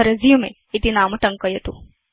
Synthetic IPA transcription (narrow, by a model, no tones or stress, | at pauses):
ɐɾɐzijumḛ | it̪inaːmɐʈɐŋkɐjɐt̪u